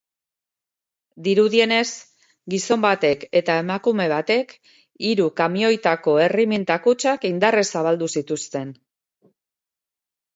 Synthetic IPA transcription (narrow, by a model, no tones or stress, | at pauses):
d̪iɾuðie̞ne̞s | ɡiso̞mbat̪e̞ke̞t̪ae̞makume̞β̞at̪e̞k | iɾukamio̞jt̪ako̞e̞rimint̪akut͡ʃakind̪aresaβ̞ald̪usit̪ust̪e̞n